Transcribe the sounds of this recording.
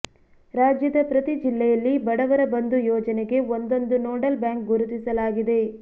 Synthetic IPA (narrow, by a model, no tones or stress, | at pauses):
ɾaːd͡ʒjɐd̪ɐpɾɐt̪id͡ʒilːɛjɐlːibɐɽɐʋɐɾɐbɐnd̪ujɔːd͡ʒɐneɡe̞ond̪o̞nd̪unoːɖɐlbjaːŋk̚ɡuɾut̪isɐlaːɡid̪e̞